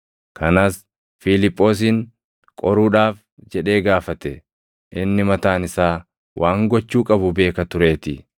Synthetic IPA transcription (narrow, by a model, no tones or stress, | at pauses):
kʰɐnaːs | filɪpʼːo̞ːs̬iːŋ | kʼɔɾuːᶑaːf | d͡ʒɛᶑe̞ːɡaːfɐt̪ɛ | ʔɪnːɪmɐt̪aːnɪsaː | wʔaːŋɡɔt͡ʃːuːkʼɐbʊbe̞ːkɐt̪ʊɾe̞ːt̪ɪ